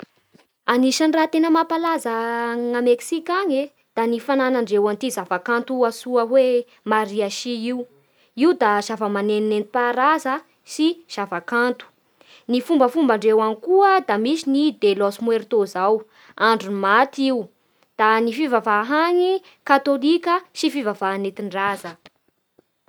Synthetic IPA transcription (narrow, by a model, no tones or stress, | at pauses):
aniʃaniraːt̪enəmapalazaŋameksikʲaɲe | d̪̥anifananaɳɖ͡ʐewant̪izavakant̪uasuəɦwe | maɾiaʃiiu | iud̪az̥avəmaneninent̪i̥paɾazə | siz̥avakant̪u̥ | nifumbəfumbaɳɖ͡ʐewanikuəd̪amisinid̪elosmweɾt̪ozaw | aɳɖ͡ʐunmat̪iw | d̪̥anifivavaɦaɲi | kat̪olikʲəsifivavanet̪iɳɖ͡ʐazə